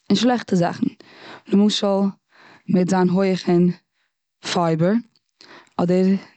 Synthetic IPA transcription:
ɪnʃlˠɛχtəza̰χn̩ | nəmuːʃəlˠ | mɪtzaːnɦoɪəχɪn | faɪbəɾ | ɔdəɾ

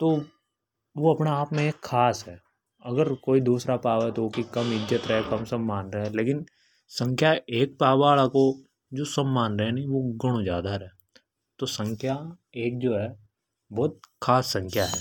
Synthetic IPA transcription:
t̪oː | ʋoɐpnaaːpmẽeːkʰːaːsɦɛː | ɐɡəɾkoːid̪uːsɾapaːʋɛt̪ookikɐmɪd͡ʒət̪ɾɛɦɛkɐmsɐmːaːnɾəɦɛ̃leːkɪn | sə̃ŋkʰjaeːk̚paːbaːɭako | d͡ʒoːsɐmːaːnɾəɦɛ̃nɐiʋoɡɐɽ̃õd͡ʒjaːd̪aɾɛɦɛ | t̪osə̃ŋkʰja | eːk̚d͡ʒoːɦɛː | bɔːt̪̚kʰaːsːɐ̃ŋkʰjaɦɛ̰ː

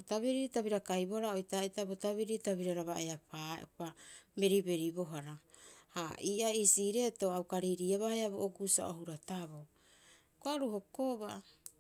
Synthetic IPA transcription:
otaβiɾiɾtaβiɾakajboɾaojtaitabotaβiɾitaβiɾaɾaβaeapapame̞ɾibe̞ɾibo̞ɦaɾahaiːʔaisiːɾe̞to̞awkaɾiɾiaβahaeaβoʔokusa̰ʔohuɾataβo | koaɾuho̞koβa

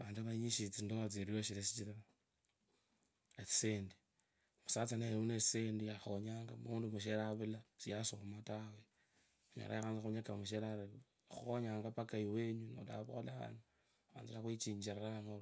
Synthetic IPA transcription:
βaːnduaβaɲiʃit͡sindoat͡siɾijoʃiɾesit͡ʃiɾaa | esi̥seːndi̥ | musat͡saneheunet͡ssendijaxoɲaːŋɡamuːndumuʃeɾaβulasijasomatawe | ɲa̰ɾa̰jaxaːnzixoɲakamuʃeɾaɾ | xuoɲaːŋɡapakajiwe̞ːɲuno̰la̰βolaβa̰nu | βa̰ːnzilaxwit͡ʃiːɲd͡ʒiɾeɾanaŋoɾ

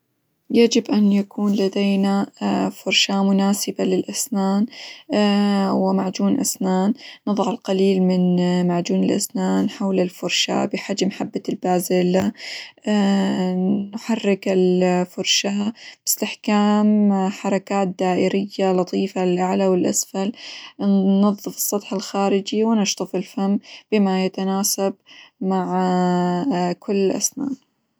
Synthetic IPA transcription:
jad͡ʒɪbʔanjakʰuːnlad̪ejnafʊɾʃamʊnaːsɪbalɪlʔasnaːn | wɪmaʕd͡ʒuːnʔa̰snaːnːɨðˤʕɪlqɑliːlmɪnmaʕd͡ʒuːnɪlʔa̰snaːnħawlɪlfʊɾʃa̰bɪħad͡ʒmħabːalbaːzɪla | nħarːɪkɪlfʊɾˤʃab̥ɪ̥st̪ɪħkaːmħɑɾˤɑkaːt̪̚d̪aːʔɪɾɪjːalɑt̪ˤiːfalɪlʔaʕlawɪlʔasfal | nɑðˤːɨfɨ̥sˤːɑt̪ˤħɪlxaːɾɪd͡ʒiwɪnɪʃt̪ˤɨfɪlfamb̥ɪmajat̪anaːsab̚maʕ | kʰʊlːʔa̰sna̰ːn

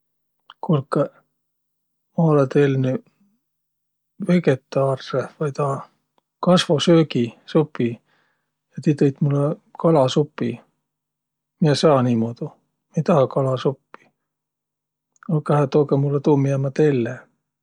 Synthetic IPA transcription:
kulkːɑ | mɑolet̪elny | veket̪ːˑɑːrːevɑjt̪ɑː | kɑsvosøːɡisupːi | jɑt̪it̪ejt̪mulːekɑlɑsupːi | miesɑːniːmod̪̥u | mejt̪ɑhɑkɑlɑsupːi̥ | olkɑhet̪oːkɑmulːet̪uːmiemɑt̪elːe

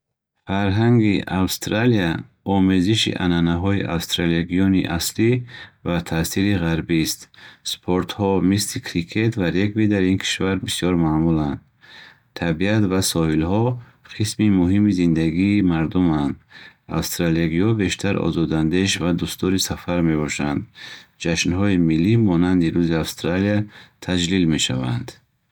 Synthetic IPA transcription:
faɾɦaŋɡiawst̪ɾalia | ɔmeziʃḭʔa̰nanaɦɔiʔa̰wst̪ɾaliaɡijɔnḭʔaslivat̪ʰasiɾiʁaɾbist̪spʰoɾt̪hɔmislikʰɾikʰet̪vaɾeɡvid̪aɾinkʰi̥ʃvaɾbisjɔɾmaːmuland̪ | t̪ʰabiat̪vasɔhilhɔ | qʰismimuɦimizind̪aɡiːmaɾd̪umand̪a̰fst̪ɾaliaɡiɔbe̞ʃt̪ʰaɾɔ̰zɔd̪and̪e̞ʃvad̪ust̪ɔɾisafaɾme̞bɔʃand̪d͡ʒaʃnɦɔimilːimɔnand̪iɾuziafst̪ɾaliat̪ʰad͡ʒlilme̞ʃa̰va̰nd̪

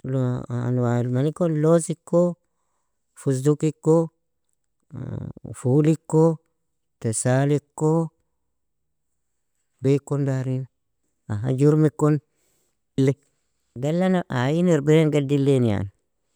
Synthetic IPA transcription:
loa̰nwalmanikonlosikːo | fusdukikːo | fulikːo | tesalikːo | bekːondaɾina | aɦa̰d͡ʒuɾmekon | lːe | ɡalːanaʔajiniɾbeɾenɡadilːenia̰ni

